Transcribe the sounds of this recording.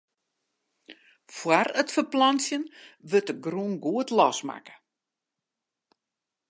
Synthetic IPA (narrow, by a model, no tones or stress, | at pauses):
fwarətfərplɔnsjənʋøtəɡrunɡuətlɔsma̰kə̥